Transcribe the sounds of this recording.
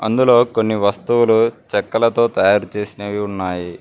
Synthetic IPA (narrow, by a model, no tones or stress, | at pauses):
ɐ̰nd̪ulo̞ːko̞nːiʋɐst̪uwulut͡ʃɛkːɐlɐt̪o̞ːt̪ɐjaːɾut͡ʃe̞ːsinɐʋiunːaːji